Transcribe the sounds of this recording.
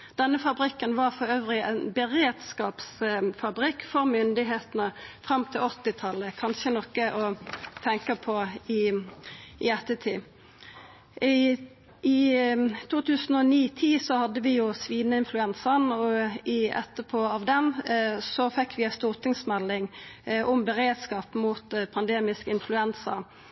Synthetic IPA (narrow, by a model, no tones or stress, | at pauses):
d̪̥ɛnːəfɑbʁɪkːənʋɑʁfɔʁøːʋʁɪæɪnbəʁeːd̪̥skɑːpsfɑbʁɪkːfɔʁmʏnd̪ɪɦeːt̪ənəfʁɑmt̪ʰɪlɔt̪ːɪt̪ʰɑlːəkʰɑnʃənɔkːəʔɔt̪ʰɛŋkəpʰɔɪ | ʔɪɛt̪ːət̪ʰiː | ɪ | ʔɪt̪ʰuːt̪ʰʉːsn̩ɔniːt̪ʰiːsɔhɑd̪ːəʋɪjʊsʋiːd̪nəɪnflʉɛnsənɔɪɛ̰t̪ːəpʰɔɑʋd̪ɛnsɔfɛkːʋɪæst̪uːʁt̪ʰɪŋsmɛlːɪŋʔʊmbəʁeːd̪skɑːpmuːt̪pʰɑnd̪eːmɪskəɪnflʉɛnsə̰